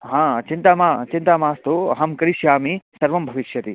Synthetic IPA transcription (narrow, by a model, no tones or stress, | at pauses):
ɦãːt͡ʃint̪ɐmaːt͡ʃint̪ɐmaːst̪uɐ̰ɦɐmkɐɾiʃjaːmisɐɾʋɐmbʱɐʋiʃjɐt̪i